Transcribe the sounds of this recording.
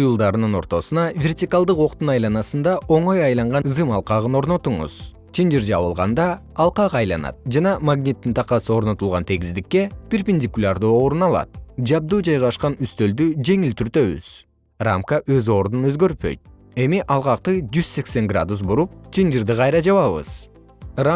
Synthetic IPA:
ujulˠd̪ɑɾɯnɯno̞ɾt̪o̞sunɑvʲe̞rtʲikalˠd̪ɯqo̞q̚t̪unɑjlˠɑnɑsɯnd̪ɑʔo̞ɴo̞jɑjlˠɑɴʁɑzɨmɑlˠqɑʁɯno̞ɾno̞t̪uɴṵz̥ | t͡ʃʰind͡ʒiɾd͡ʒɑ̰βɯlˠʁɑ̰nd̪ɑː | lˠqɑqɑjlˠɑnɑ̰t̪̚d͡ʒɑnɑmaɡnʲit̪ːint̪ʰɑqɑsɯo̞ɾno̞t̪ulˠʁɑnt̪ʰe̞ɡʲizd̪ikːe̞pʲerpʲɪnʲdʲikulʲard̪uːo̞ɾunɑlˠɑ̰t̪̚d͡ʒɑb̚d̪uːd͡ʒɑjʁɑʃqɑnyst̪ø̞ld̪yd͡ʒe̞ŋilt̪ʰyɾt̪ø̞βy̰z̥ | ra̰mkaʔø̞zo̞ːɾd̪unø̞zɡø̞ɾppø̞̰jt̪̚ | e̞miʔɑlˠqɑq̚t̪ɯd͡ʒyzse̞kse̞ŋɡra̰d̪us̬buɾup̚t͡ʃʰind͡ʒiɾd̪ɨqʰɑjɾɑd͡ʒɑβɑβɯ̰z̥ | ra

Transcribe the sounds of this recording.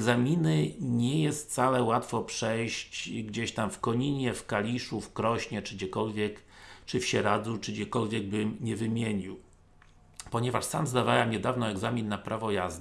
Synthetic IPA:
ɛɡzamʲinɘɲɛjɛst̪̚t̪salɛwat̪fɔpʂɛjɕt͡ɕɡd͡ʑeɕt̪amfkɔɲiɲɛfkalʲiʂufkɾɔɕɲɛt͡ʂɘɡd͡ʑɛkɔlvʲjɛkt͡ʂɘfɕɛɾad̪zut͡ʂɘɡd͡ʑɛkɔlvʲjɛɡ̚bɘmɲɛvɘmʲjeɲiw | pɔɲɛvaʂsamzd̪avawɛmɲɛd̪avnɔɛɡzamʲinːapɾʔavɔjazd̪ɛ

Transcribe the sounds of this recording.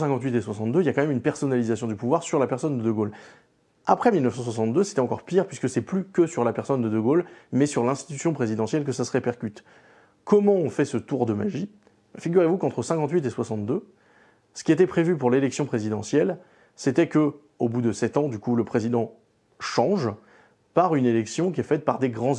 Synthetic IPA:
sɛ̃kɑ̃t̪̬ɥit̪eswasɑ̃t̪d̪øiljakɑ̃mɛmynpɛʁsɔnalizasjɔ̃d̪ypuvwaʁsyʁlapɛʁsɔnd̪əd̪əɡol | apχɛmilnəfsɑ̃s̬wasɑ̃t̪̚d̪øse̥t̪ɛɑ̃kɔʁpiʁpɥiskəsɛplykʲəsyʁlapɛʁsɔnd̪əd̪əɡolmɛsyʁlɛ̃st̪it̪ysjɔ̃pχezid̪ɑ̃sjɛlk̬əsasəʁepɛʁkʲyt̪ | kʰɔmɑ̃ɔ̃fɛsət̪uʁd̪əma̰ʒi | fiɡʲyʁevukɑ̃t̪χəsɛ̃kɑ̃t̪̬ɥit̪eswasɑ̃t̪d̪ø | sə̥kʲiet̪ɛpχevypuʁlelɛksjɔ̃pχezid̪ɑ̃sjɛl | sɛt̪ɛkə | obud̪əsɛt̪ɑ̃d̪ykuləpχezid̪ɑ̃ | ʃɑ̃ʒ | paʁynelɛksjɔ̃k̬ʲiɛfɛt̪̚paʁd̪eɡʁɑ̃

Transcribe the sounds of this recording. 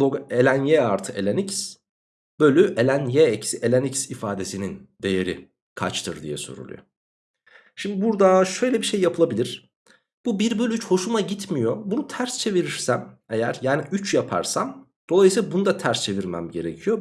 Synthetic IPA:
oɡe̞lʲænjɛaɾt̪ʰɯʔelʲenics | b̥ølʲyʔelʲænjɛecʰi̥siʔe̞lʲenicsifaːd̪e̞sinind̪e̞je̞ɾḭ | kʰa̰t͡ʃt̪ʰɯɾd̪ḭjɛso̞̰ɾṵlˠṵjo̰ | ʃimd̪ibuɾd̪aʃø̞jlʲɛbiʃe̞jːapʰɯlˠabilʲiɾ̥ | b̥ubiɾbølʲyyt͡ʃho̞ʃumaɟit̪mijo̞bunut̪ʰæɾst͡ʃʰe̞viɾiɾsæme̞jæɾjaːniyt͡ʃjapʰa̰ɾsam | d̪̥olˠajɯsilˠabunud̪at̪ʰæɾst͡ʃʰe̞viɾmæ̰mɟe̞ɾecʰijo̞

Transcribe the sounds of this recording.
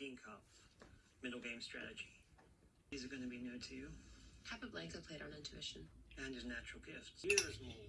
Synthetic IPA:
ɪ̃ŋkʰʌpf | mɪɾl̩ˠɡẽɪ̃mstɹ̥æ̰ɾɨd͡ʒi | izə˞ɡʌ̃nɨbinõʊtʰɨjʉkʰæpʌvlæ̃ŋkə˞pʰeɪɾn̩ɪ̃ntʰʉɪʃɨ̃nɨ̃nɨznæt͡ʃɹl̩ˠɡɪftsjɪɹzmɔ

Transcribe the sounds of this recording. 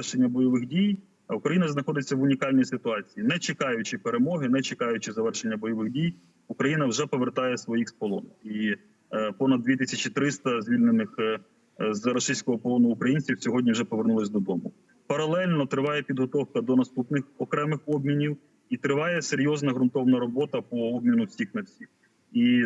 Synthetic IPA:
ɛʃenʲːɐbɔjɔʋɪxdʲij | ukɾɐjinɐznɐxɔd̪ɪt͡sʲːɐʋʊnʲikɑlʲnʲijsɪt̪ʊɑt͡sʲijinɛt͡ʃekɑjʊt͡ʃɪpeɾemɔɦɪnɛt͡ʃɪkɑjʊt͡ʃɪzɐʋɛrʃenʲːɐbɔjɔʋɪxdʲij | ukɾɐjinɐwʒɛpɔʋert̪ɑjɛsʋɔjixspɔlˠɔ̰ni | pɔnɐd̪̚d̪ʲʋʲit̪ɪsʲɐt͡ʃit̪ɾɪst̪ɐzʲʋʲilʲnenɪx | zɾɔʃijsʲkɔɦɔpɔlˠɔnʊukɾɐjinʲt͡sʲiwsʲɔɦɔdʲnʲiwʒɛpɔʋernulˠɪsʲd̪ɔd̪ɔmʊ | pɐɾɐlˠɛlʲnɔt̪ɾɪʋɑjɛpʲid̪ɦɔt̪ɔwkɐd̪ɔnɐst̪upnɪxɔkɾɛmɪxɔbmʲinʲiw | it̪ɾɪʋɑjɛseɾʲjɔznɐɦɾʊnt̪ɔwnɐɾɔbɔt̪ɐpɔɔbʲmʲinʊwsʲixnɐfsʲiw | i

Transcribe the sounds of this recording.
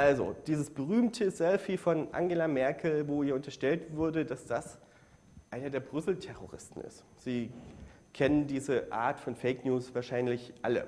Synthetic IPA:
ʔalzo̰d̥iːzəsb̥əʁ̞yːmtʰəzɛlfifɔnʔa̰ŋɡelamɛɐkʰl̩voːhiːɐʊntɐʃtɛltv̥ʊɐdədasd̥as | ʔaɪnɐdeːɐbʁʏsl̩tʰɛʁ̞o̰ʁɪ̰stn̩ɪ̰st | z̥iː | kʰɛnəndiːzəʔa̰ːɐtfɔnfeɪknjuːsv̥aːɐʃaɪnlɪçʔalə̰

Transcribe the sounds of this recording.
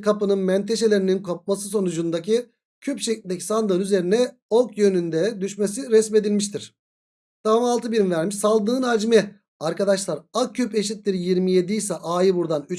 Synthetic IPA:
kʰapɯnɯnmɛnt̪ʰe̞ʃe̞lʲeɾininkʰo̞p̚masɯs̬o̞nud͡ʒund̪acʰi | cʰypʃeclʲinʲd̪ɛcʰi̥sand̪ɯɾyze̞ɾinɛ | okʰjønynd̪ɛd̪yʃme̞siɾɛsme̞d̪ilʲmiʃ̬t̪ʰiɾ̥ | d̪̥avamalˠt̪ɯbiɾimvæɾmiʃsalˠd̪ɯnɯnaːd͡ʒimɛ | aɾkad̪aʃlˠaɾaype̞ʃit̪̚liɾjiɾmije̞d̪ijsɛʔaːjɯbuɾd̪anyt͡ʃ

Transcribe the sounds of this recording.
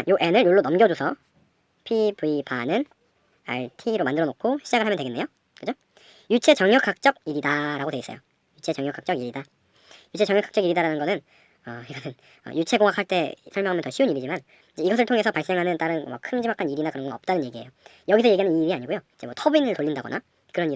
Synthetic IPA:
joʔe̞nɯɭjoɭːonʌmɡjʌd͡ʑosʰʌ | pʰibɯibʰanɯn | a̰ɭtʰiɾomandɯɾʌnok̚kʰoɕʰid͡ʑaɡɯɭɦamʌntweɡenːejo | kɯd͡ʑo | jut͡ɕʰe̞t͡ɕʌŋjʌk͈ʰːak̚t͡ɕ͈ʌɡ̚iɾidaɾaɡodweis͈ʌ̰jo̰ | jut͡ɕʰe̞t͡ɕʌŋjʌk͈ʰak̚t͡ɕ͈ʌɡiɾida | jut͡ɕʰe̞t͡ɕʌŋjʌk͈ʰːḁkt͡ɕʌɡiɾidaɾanɯnɡʌnɯn | ʌiɡʌnʰɯn | ʌ̰jut͡ɕʰe̞ɡoŋakʰaɭt͈e̞sʰʌɭmjʌŋajʌntʌɕʰiuniɾid͡ʑiman | id͡ʑe̞iɡʌs̬ʰɯɭtʰoŋe̞sʰʌpaɭs͈e̞ŋɦanɯnt͈aɾɯnwʌ̰kʰɯnd͡ʑimakʰaniɾinakɯɾʌnɡʌnʌp̚t͈anɯnɲje̞ɡie̞jo | jʌɡisʰʌje̞ɡiɦanɯniːɾiaɲiɡojoid͡ʑewʌtʰʌbuinɯɭtoʎːindaɡʌnʔa | kɯɾʌni

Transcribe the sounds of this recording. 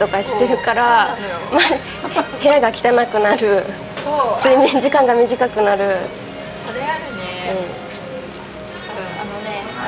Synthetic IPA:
t̪o̞kaɕi̥t̪e̞ɾɯ̟kaɾama | he̞aɡakʲi̥t̪anakɯ̟naɾɯ̟ | sɨːmʲĩɲ̟d͡ʑikãŋɡamʲiʑikakɯ̟naɾɯ̟ | ɯ̟̃ɴ

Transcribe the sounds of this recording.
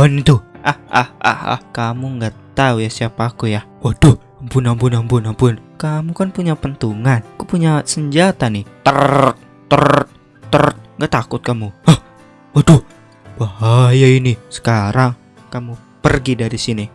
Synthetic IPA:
anit̪uʔaha̰hʔa̰ha̰hkamuŋɡat̪aujasiapakuja | wahdoh | ampʊnampʊnampʊnampʊnkamukanpuɲapənt̪uŋanakupuɲasəɲd͡ʒat̪anɪt̪ərt̪̚ː | əɾt̪̚ː | əɾt̪̚ŋɡaʔt̪akʊt̪̚kamuah | wadoh | b̥ahajainisə̥kaɾaŋ | kamu | pərɡidaɾisini

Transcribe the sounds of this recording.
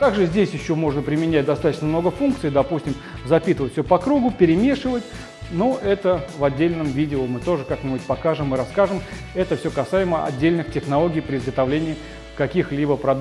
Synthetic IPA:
k̪aɡʐɨzʲdʲesʲjɪɕːo̞mo̞ʐnəpɾʲɪmʲɪnʲæt̚ʲd̪ɐst̪at̪ə̥ɕnəmno̞ɡəfunk̚t̪sɨjd̪ɐpusʲtʲɪm | zɐpʲit̪ɨvətʲfʲsʲopɐkɾuɡʊpʲɪɾʲɪmʲe̞ʂɨvətʲ | noʔɛt̪əvɐdʲːelʲnəmvʲidʲɪʊmɨt̪o̞ʐɨkaknʲɪbutʲpɐkaʐɨmɨɾɐskaʐɨm | ɛt̪əfsʲokɐsajɪməɐ̰dʲːelʲnɨxtʲɪxnɐlˠoɡʲijpɾʲɪzɡət̪ɐvlʲenʲɪː | kɐkʲixlʲibəpɾɐd̪

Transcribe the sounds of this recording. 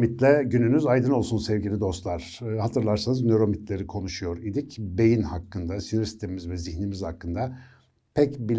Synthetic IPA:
mit̪lʲɛɟynynyzajd̪ɯno̞lˠsunsɛvɡɟilʲid̪o̞st̪lˠaɾ̥hat̪ʰɯɾlˠaɾsanɯznøɾo̞mit̪lʲe̞ɾikʰo̞nuʃujo̞ɾid̪icbe̞jinhakːɯnd̪asinoɾisi̥t̪ʰeimizvɛzihnimiz̥hakːɯnd̪a | pʰɛcbilʲ

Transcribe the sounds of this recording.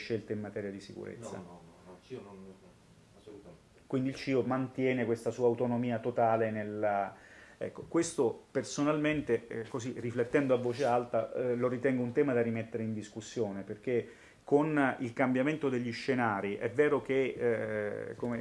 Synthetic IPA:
ʃːelt̪eimːat̪ɛːɾjad̪isikṵɾḛt̪sːa̰ | kwind̪ilt͡ʃiːomant̪jɛːnekwest̪asuːaːwt̪onomiːat̪ot̪aːlenel | ɛ̰kːokwest̪opersonalment̪ekoziriflet̪ːɛnd̪oavːoːt͡ʃealt̪aloɾit̪ɛŋɡount̪ɛːmad̪arimet̪ːeɾeind̪iskusːjoːneperk̟e | konilkambjament̪od̪eʎːiʃːenaːɾiʔɛ̰vːɛːɾok̟e | kome

